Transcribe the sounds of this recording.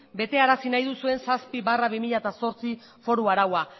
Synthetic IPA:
be̞t̪e̞aɾasinajðusue̞nsaspiβaraβimiʎat̪aso̞ɾt͡si | fo̞ɾuaɾawa

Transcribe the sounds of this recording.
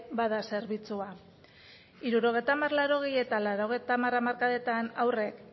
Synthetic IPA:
baðase̞ɾβit͡sua | iɾuɾo̞ɣ̞e̞jt̪amarlaɾo̞ɣ̞eje̞t̪alaɾo̞ɣ̞e̞jt̪amaramaɾkaðe̞t̪anawre̞k

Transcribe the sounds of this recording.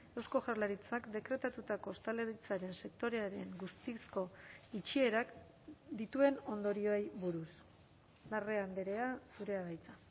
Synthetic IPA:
ewsko̞ʝarlaɾit͡sakd̪e̞kɾe̞t̪at̪ut̪ako̞st̪ale̞ɾit͡saɾe̞nse̞kt̪o̞ɾe̞aɾe̞ŋɡust̪isko̞it͡ʃie̞ɾak | d̪it̪ue̞no̞nd̪o̞ɾio̞ejβuɾus | nare̞and̪eɾe̞asuɾe̞aβajt͡sa

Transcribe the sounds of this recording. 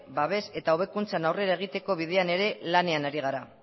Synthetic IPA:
baβ̞e̞se̞t̪aoβ̞e̞kunt͡sanawre̞ɾae̞ɣ̞it̪e̞ko̞β̞iðe̞ane̞ɾe̞lane̞anaɾiɣ̞aɾa

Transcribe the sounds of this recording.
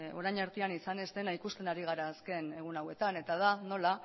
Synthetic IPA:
o̞ɾajɲaɾt̪ianisane̞zd̪e̞naikust̪e̞naɾiɣ̞aɾaːske̞ne̞ɣ̞unawe̞t̪ane̞t̪að̞ano̞la

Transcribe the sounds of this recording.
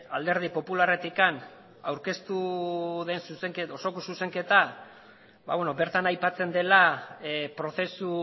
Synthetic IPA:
ald̪e̞ɾð̞ipo̞pulare̞t̪ikan | awɾke̞st̪uðe̞nsuse̞ŋkeoso̞kosuse̞ŋke̞t̪a | ba̰βwenobe̞ɾt̪anajpat͡se̞nd̪e̞la | pɾo̞θe̞su

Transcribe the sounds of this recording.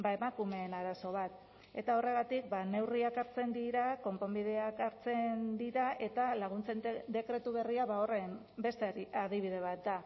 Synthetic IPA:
baemakume̞ːnaɾaso̞β̞at̪ | e̞t̪ao̞re̞ɣ̞at̪ik̚bane̞wriakaɾt͡se̞nd̪iɾako̞mpo̞mbið̞e̞akaɾt͡se̞nd̪iɾaʔe̞t̪alaɣ̞unt͡se̞nd̪e̞kɾe̞t̪uβe̞riaβaore̞m | be̞st̪eaðiβ̞ið̞e̞β̞at̪̚d̪a

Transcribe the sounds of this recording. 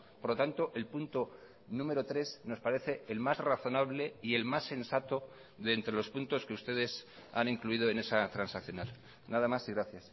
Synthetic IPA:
poɾlo̞t̪ant̪o̞ʔe̞lpunt̪o | nũme̞ɾot̪ɾe̞sno̞spaɾe̞θe̞ːlmazraθo̞naβ̞le̞ie̞lmasːe̞nsat̪o̞ | ðent̪ɾe̞lo̞spunt̪o̞skeust̪e̞ðe̞s | a̰niŋkluið̞o̞ene̞sat̪ɾansakθjo̞nal | naðamasiɣɾaθjas

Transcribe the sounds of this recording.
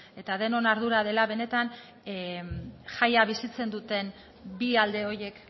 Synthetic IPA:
e̞t̪aðe̞no̞naɾðuɾað̞e̞laβe̞ne̞t̪an | ʝajaβ̞isit͡se̞nd̪ut̪e̞n | biald̪e̞o̞je̞k

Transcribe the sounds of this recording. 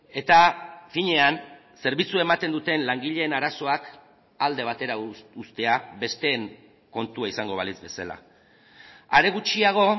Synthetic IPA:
e̞t̪afiɲe̞an | se̞ɾβit͡sue̞mat̪e̞nd̪ut̪e̞nlaŋɡiʎe̞ːnaɾaso̞ak | ald̪e̞β̞at̪e̞ɾaust̪e̞aβe̞st̪e̞ːŋ | ko̞nt̪uaisaŋɡo̞β̞alizbe̞sa̰la̰ | aɾe̞ɣ̞ut͡ʃiaɣ̞o̞

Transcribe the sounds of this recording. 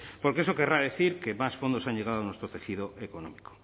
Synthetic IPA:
poɾkeeso̞keraðe̞θiɾkemasfond̪osaɲʎeɣaðoanwest̪ɾot̪e̞xið̞oʔekonõ̰miko̥

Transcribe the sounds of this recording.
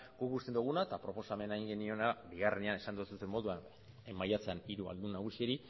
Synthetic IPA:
ɡ̥ukɡust̪end̪uɣ̞unaet̪apɾo̞po̞same̞naiŋɡe̞nio̞nabiɣarene̞ane̞sand̪osut̪e̞mːo̞ðuan | majat͡seaniɾua̰ld̪unaɣ̞usieɾi

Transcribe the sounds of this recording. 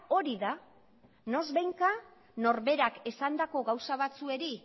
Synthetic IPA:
o̞ɾiða | no̞zβejŋka | no̞ɾβe̞ɾake̞sand̪ako̞ɣawsaβ̞at͡sue̞ɾi

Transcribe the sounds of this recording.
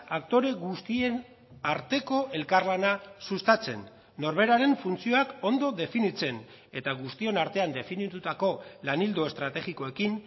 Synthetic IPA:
akt̪o̞ɾe̞ɣust̪ien | aɾt̪e̞ko̞ʔe̞lkaɾlanasust̪at͡se̞nː | o̞ɾβe̞ɾaɾe̞ɱfunt͡sio̞ako̞nd̪o̞ðe̞finit͡se̞n | e̞t̪aɣust̪io̞naɾt̪e̞and̪e̞finit̪ut̪ako̞lanild̪o̞e̞st̪ɾat̪e̞ɣiko̞e̞kin

